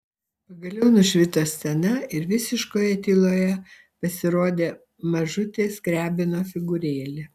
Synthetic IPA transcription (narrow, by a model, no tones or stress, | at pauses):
pɐɡɐlʲɛʊnʊʃʲʋʲɪt̪oːsʲsʲɛnɐɪɾʋʲɪsʲɪʃkoːjɛt̪ʲiːlˠoːjɛ | pɐsʲɪɾoːd̪ʲeː | mɐʒʊt̪ʲeːskɾʲæːbʲɪnoːfʲɪɡʊɾʲeːlʲɪ